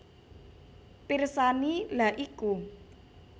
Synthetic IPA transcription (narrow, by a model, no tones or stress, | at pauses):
pirsanilaʔiku